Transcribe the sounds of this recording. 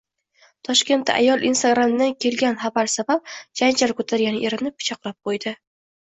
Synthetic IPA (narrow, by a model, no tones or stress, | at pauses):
t̪ʰɒʃkʲe̞nt̪ʰːa̰ʔa̰jɒlˠinst̪aɡɾamd̪ankʲʰe̞lɡʲanχabaɾsabap̚d͡ʒand͡ʒalkʰɵt̪ʰaɾɡʲanɪʔeɾɪnɪpʰːɪ̥t͡ʃʰɒqlˠap̚qʰojd̪ɪ